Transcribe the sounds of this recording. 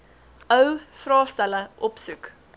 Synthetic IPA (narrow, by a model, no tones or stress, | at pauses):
œwfrɑːstæləʔɔpsuk